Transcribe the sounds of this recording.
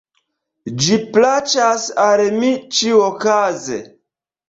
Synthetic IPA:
d͡ʒiplat͡ʃasalmit͡ʃiokazḛ

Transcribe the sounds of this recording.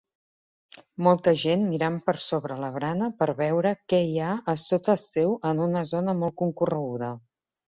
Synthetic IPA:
mɔlˠt̪əʒenmiɾampəɾsoβɾələβɾanəpəɾβɛwɾəkɛiaəsot̪əsɛwʔənunəzonəmɔlˠkuŋkurəɣuð̞ə

